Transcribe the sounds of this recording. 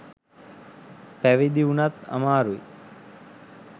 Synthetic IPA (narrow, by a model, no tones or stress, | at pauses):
pæʋid̪iunat̪a̰maːɾui